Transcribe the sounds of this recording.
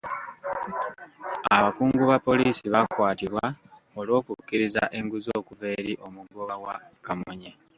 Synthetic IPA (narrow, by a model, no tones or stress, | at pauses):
aβakuːŋɡuβapːo̞liːsiβakwaːtiβwa | o̞lo̞ːkukːiɾizaʔe̞ŋɡuzo̞ːkuve̞ːɾiʔo̞muɡoɣawa̰kamoɲe